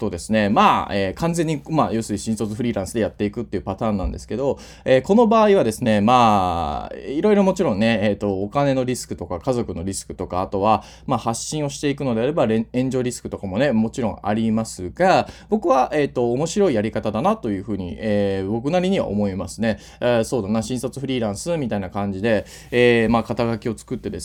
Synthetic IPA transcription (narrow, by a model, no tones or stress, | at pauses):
t̪o̞d̪e̞sɨne̞maːeːkʰãnd͡zẽ̞ɲ̟ːimajo̞ːsɨɾʲiɕĩñso̞t͡sɨɸɯ̟ɾʲiːɾãɰ̃sɨd̪e̞jat̪ːe̞ikɯ̟t̪ːe̞iɯ̟pat̪ãːnːã̰nd̪e̞sɨ̥ke̞d̪o̞ | e̞ːko̞no̞baːiβad̪e̞sɨne̞maː | iɾo̞iɾo̞mo̞t͡ɕiɾõ̞nːe̞eːt̪ːo̞ːkane̞no̞ɾʲisɨ̥kɯ̟t̪o̞kakazo̞kɯ̟no̞ɾʲisɨ̥kɯ̟̥t̪o̞kaːt̪o̞βa | maːhaɕːĩɰ̃o̞ɕi̥t̪e̞ikɯ̟no̞d̪e̞aɾe̞baɾeẽ̞ɲ̟d͡ʑo̞ːɾʲisɨ̥kɯ̟t̪o̞kamo̞ne̞mo̞t͡ɕiɾõ̞a̰ɾʲimasɨɡab̥o̞kɯ̟βaʔe̞ːt̪ːo̞ːmo̞ɕiɾo̞ijaɾʲikat̪ad̪anat̪o̞jɯ̟ːɸɯ̟ːɲ̟ḭeːbo̞k̬ɯ̟naɾʲiɲ̟iβa̰ʔomo̞imasɨne̞ | so̞ːd̪anaɕĩɰ̃sat͡sɨ̥ɸɯ̟ɾʲiːɾãɰ̃sɨmʲit̪ainakãɲ̟d͡ʑid̪e̞ | eːmakat̪aɡakʲio̞t͡sɨ̥kɯ̟t̪ːe̞d̪e̞s